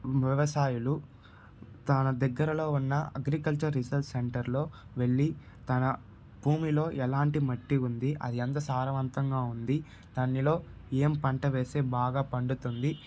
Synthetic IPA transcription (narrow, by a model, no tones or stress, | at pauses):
ʋjɛʋɐsaːjulu | t̪ɐnɐd̪ɐɡːɐɾɐlo̞ːunːɐɐɡɾikɐlt͡ʃɐɾːisɐlseɳʈɐɾlo̞ːʋe̞ɭːi | t̪ɐnɐ | bʱuːmilo̞ːʔɛlaːɳʈimɐʈːiund̪iʔɐ̰d̪iɐnt̪̬ɐsaːɾɐʋɐnt̪ɐŋɡaːund̪i | t̪ɐnːilo̞ː | eːmpɐɳʈɐʋe̞ːse̞ːbaːɡaːpɐɳɖut̪und̪i